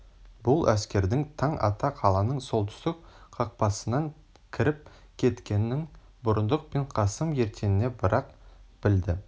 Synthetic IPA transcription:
bʊlˠʔæskʲe̞ɾd̪ɪŋt̪ʰɑɴʔɑ̰t̪ɑqʰɑlˠɑnəɴso̞lˠt̪ʰʏ̥st̪ɪk̚qʰɑq̚pɑsənɑŋ | kʲʰɪɾɪp̚ | kʲʰe̞t̪kʲe̞nːɪŋ | bʊɾənd̪əq̚peɴqʰɑsəmje̞ɾt̪ʰe̞nɪne̞bəɾɑq̚b̥ɪld̪ɪ

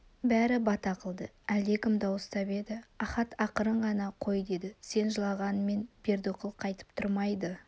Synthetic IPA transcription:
bæɾɪbɑt̪ɑqəlˠd̪ə | æld̪e̞kʲɪmd̪ɑwəst̪ɑbe̞d̪ɪɑχɑt̪ʰɑqəɾəɴʁɑnɑqʰo̞jd̪e̞d̪ɪse̞nʒəlˠɑʁɑnme̞nbʲe̞ɾd̪oqəlˠqʰɑjt̪ə̥p̚t̪ʰʊɾmɑjd̪ə

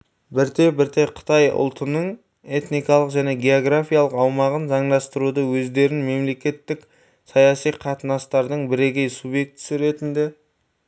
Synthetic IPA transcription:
bɪɾt̪e̞bɪɾt̪e̞qʰə̥t̪ɑjʊ̰lˠt̪ənəɴ | e̞t̪nijkɑlˠəqʒæne̞ɡʲe̞o̞ɡrafʲijalˠəqɑwmɑʁənʒɑɴd̪ɑst̪əɾud̪əwɵzd̪e̞ɾɪnme̞mle̞kʲe̞t̪ːɪk | sɑjɑsijqʰɑt̪ənɑst̪ɑɾd̪əɴbɪɾe̞kʲe̞jsubje̞k̚t̪ɪ̥sɪɾe̞t̪ɪnd̪e̞

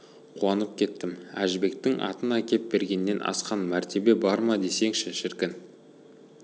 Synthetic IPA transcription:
qʰuɑnəp̚kʲʰe̞t̪ːɪmæ̰ʒbe̞k̚t̪ɪŋɑ̰t̪ənɑkʲe̞p̪̚be̞ɾɡʲe̞nːe̞nʔɑ̰sqɑnmæɾt̪ʰe̞be̞bɑɾmɑd̪e̞se̞ŋʃɪʃɪɾkʲɪn

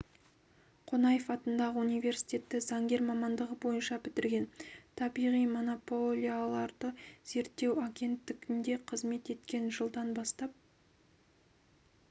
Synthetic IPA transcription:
qʰo̞nɑjəfɑt̪ənd̪ɑʁəunijve̞rsi̥jt̪ʲe̞t̪ːɪzɑŋɡʲe̞ɾmɑmɑnd̪əʁəbo̞jənʃɑbɪt̪ɪɾɡʲe̞nt̪ʰɑbijʁijmo̞no̞polʲijalˠɑɾd̪əz̥e̞ɾt̪ːe̞waɡʲe̞nt̪ːɪɡʲɪnd̪e̞qʰəzme̞t̪e̞t̪kʲe̞nʒəlˠd̪ɑnbɑst̪ɑp̚

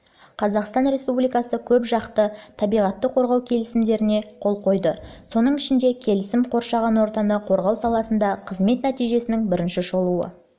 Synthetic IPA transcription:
qʰɑzɑqst̪ɑnɾe̞spublijkɑsəkʲʰɵpʒɑqt̪ət̪ʰɑbijʁɑt̪ːəqʰo̞ɾʁɑwkʲʰe̞lɪsɪmd̪e̞ɾɪne̞qʰo̞lˠqʰo̞jd̪əso̞nəɴɪʃɪnd̪e̞kʲʰe̞lɪsɪmqʰo̞ɾʃɑʁɑnwo̞ɾt̪ɑnɑqʰo̞ɾʁɑwsɑlˠɑsənd̪ɑqʰəzme̞t̪næt̪ijʒe̞sɪnɪŋbɪɾɪnʃɪʃo̞lˠuə̰

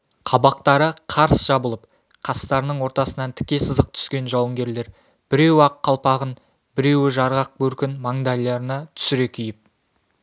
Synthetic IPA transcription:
qʰɑbɑq̚t̪ɑɾəqʰɑɾsʒ̥ɑbəlˠəp | qʰɑst̪ɑɾənəɴwo̞ɾt̪ɑsənɑnt̪ʰɪ̥kʲe̞səzəq̚t̪ʰʏ̥skʲe̞nʒɑwəŋɡʲe̞ɾle̞ɾ | b̥ɪɾe̞wɑqʰːɑlˠpɑʁən | bɪɾe̞wɪʒɑɾʁɑq̚bɵɾkʲɪnmɑŋd̪ɑlʲːɑɾənɑt̪ʰʏ̥sɪɾe̞kʲʰʏjɪp̚

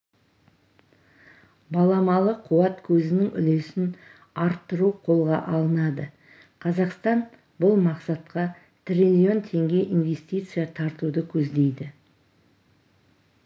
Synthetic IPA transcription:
bɑlˠɑmɑlˠəqʰuɑt̪kʲʰɵzɪnɪŋʏ̰le̞sɪn | ɑɾt̪ːəɾuqʰo̞lˠʁɑ̰ʔɑlˠənɑd̪ə | qʰɑzɑqst̪ɑn | bʊlˠmɑqsɑt̪qɑ | t̪rʲilʲio̞nt̪ʰe̞ŋɡʲe̞ʔinve̞st̪ʲijt̪sɨjat̪ʰɑɾt̪ud̪əkʲʰɵzd̪e̞jd̪ɪ

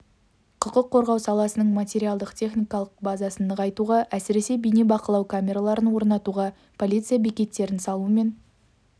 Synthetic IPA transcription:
qʰʊqəqʰːo̞ɾʁɑwsɑlˠɑsənəɴmat̪ʲe̞ɾialˠd̪əqt̪ʲʰe̞χnʲijkɑlˠəq̚bazɑsənəʁɑjt̪uʁɑʔæsɪɾe̞se̞bijnibɑqəlˠɑwkʰamʲe̞ɾalˠɑɾənwo̞ɾnɑt̪uʁɑ | pʰo̞lʲit̪sɨjabekʲe̞t̪ːe̞ɾɪnsɑlˠuəme̞n

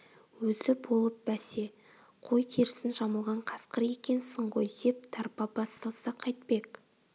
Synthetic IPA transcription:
wɵzɪbo̞lˠəp̚bæse̞ | qʰo̞jt̪ʰeɾɪsɪnʒɑməlˠʁɑɴqʰɑsqəɾje̞kʲe̞nsəɴʁo̞jd̪e̞p̚t̪ʰɑɾpɑbɑsɑsɑqʰɑjt̪̚pe̞k

